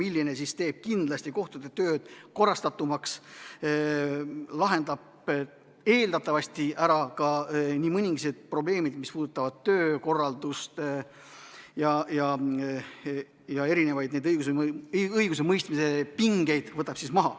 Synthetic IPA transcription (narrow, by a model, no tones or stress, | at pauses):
milːinesist̪e̞ːb̥̚kind̪lɑst̪iko̞ht̪ud̪̥e̞t̪ø̞ːd̪̥ko̞rːɑst̪ɑt̪ːˑumɑks | lɑɦe̞nd̪ɑb̥ | e̞ːld̪ɑt̪ːˑɑvɑst̪iʔæɾɑkɑniːmɤnʲiŋɡised̪̥̚pro̞ble̞ːmid̪mispuːd̪̥ut̪ːˑɑvɑd̪̥̚t̪øːko̞rːɑld̪ust̪ | jɑjɑ | jɑe̞ɾine̞vɑjd̪ned̪ɤjɡ̥us̬eɯjɡus̬e̞mɤjst̪mise̞piŋɡe̞jd̪̥vɤt̪ːˑɑb̥sismɑɦɑ